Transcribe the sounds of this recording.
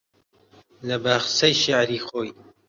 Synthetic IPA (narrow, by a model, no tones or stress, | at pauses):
lɐbaːxsɐjʃaʕɾiːxoːj